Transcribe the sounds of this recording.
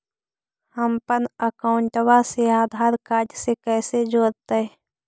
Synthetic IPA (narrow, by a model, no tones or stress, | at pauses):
həmpənəkaʊɳʈwaseaːd̪ʱaːɾkaːɾd͡ʒjsekɛːsed͡ʒoːɾt̪eɛ